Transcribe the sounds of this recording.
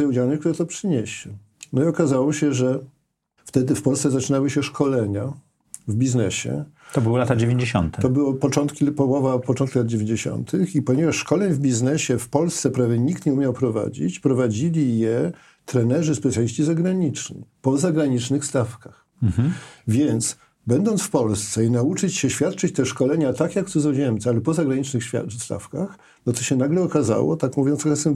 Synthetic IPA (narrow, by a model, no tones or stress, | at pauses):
jɛud͡ʑawnɛkt̪uɾɛt̪ɔpʂɘɲeɕɛ | nɔiɔkazawɔɕɛʐɛ | ft̪ɛd̪ɘfpɔlst̪sɛzat͡ʂɘnawɘɕɛʂkʰɔlɛɲa | vbʲiznɛɕɛ̰ | t̪ɔbɘwɔlat̪ad͡ʑevʲjeɲd͡ʑeɕɔ̰nt̪ɛɔbɨwɔpɔt͡ʂɔnt̪kʲipɔwɔvapɔɔ̃nt̪kʲilad̪̚d͡ʑevʲeɲd͡ʑeɕɔ̰nt̪ʰɘxipɔɲɛvaʂʂkɔlɛɲvbʲiznɛɕɛfpɔlst̪sɛpɾavʲjɛɲikt̪ɲɛumʲjawpɾɔva̰d͡ʑḭt͡ɕpɾɔvad͡ʑilʲijɛ | t̪ɾɛnɛʐɘspɛtsʲjalʲiɕt͡ɕizaɡɾaɲit͡ʂɲḭpɔzaɡɾaɲit͡ʂnɘxst̪afkax̩ | vʲjɛnt̪s | bɛnd̪ɔnt̪sfpɔlst̪sɛinaut͡ʂɘt͡ɕɕɛɕfʲjat̪̚t͡ʂɘt͡ɕt̪ɛʂkɔlɛɲat̪akjakt̪suzɔʑɛmt̪sɛalɛpɔzaɡɾaɲit͡ʂnɘxɕfʲa̰st̪a̰fkax | nɔt̪ɔɕɛnaɡlɛɔkaza̰wɔ̰t̪akmuvʲjɔ̃nsɾɔxɛt̪sɛm